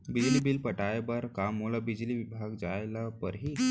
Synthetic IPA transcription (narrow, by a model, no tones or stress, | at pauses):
bid͡zlibilpəʈajbəɾkamulabid͡ʑliʋibʱaɡd͡zajlapə̰ɾɦiː